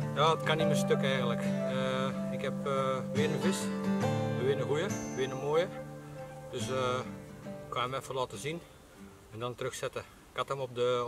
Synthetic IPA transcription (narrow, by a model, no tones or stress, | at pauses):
jaːdətkaniməstøkɛjɣəntləkəɪkhɛpʋɪːənəvɪs | əʋɪənəɦujəəʋɪənəmoːjə | d̥øsə | ɪkwamɛfərlɔːtəzin | ɛndɔntərøxsɛtə | katəmɔp̚də